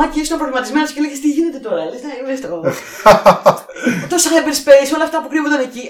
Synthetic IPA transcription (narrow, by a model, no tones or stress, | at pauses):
ɐciist̪ɐmpɾovlimɐt̪izmentsceleʝest̪iʝine̞t̪e̞t̪o̞ɾɐeleznevest̪okol | t̪osɐxɐebeɾispeiso̞lɐːft̪ɐpukɾivond̪ɐneci